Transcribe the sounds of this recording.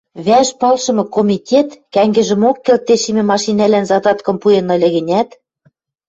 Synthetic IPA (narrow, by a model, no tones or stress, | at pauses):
βæʃpɑlʃɤ̆mɤ̆komʲitʲet̪kæŋɡɘ̆ʒɘ̆mokːĕlt̪ːeʃimʲɘ̆mɑʃinælænzɑd̪ɑt̪kɤ̆mpujenɤ̆lʲɘ̆ɣɘ̆nʲæt̪